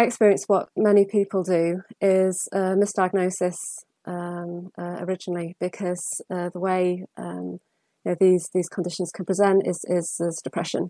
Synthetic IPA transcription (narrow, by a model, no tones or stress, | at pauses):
aɪɛkspɪɹiə̃nswɒʔmɛnipʰiˑpʰəlˠdəʔɪz̥əmɪsd̥aɪɡ̚nəʊsɪs | ʔʌ̃mʌə̰ɹɪd͡ʒənəl̩ˠib̥ɪkʰɒz̥ʌðəweɪʔʌ̃m | jənoʊðizðiːz̥kʰə̃ndɪʃə̃nz̥kʰə̃npʰɹ̥ɪzɛ̃ntɪ̰z̥ɪzðɪzd̥ɪpʰɹ̥ɛʃə̰̃n